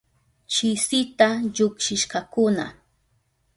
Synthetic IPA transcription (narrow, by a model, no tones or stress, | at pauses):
t͡ʃɪsɪt̪aʎʊkʃɪʃɢɑkʊna̰